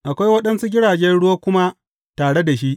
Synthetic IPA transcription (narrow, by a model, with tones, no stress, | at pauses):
ʔa˨kʷa˦jwɐ˦ɗɐ˦nsi˦ɡʲɪ˦ɽaː˨d͡ʒɛ˦nɽʊ˦waː˦kʷʊ˦ma˦ | taː˨ɽe˦da˨ʃi˦ʔ